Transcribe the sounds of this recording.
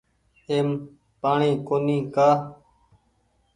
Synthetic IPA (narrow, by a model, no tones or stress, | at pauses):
eːm | paːɳĩːkoːnĩːkaː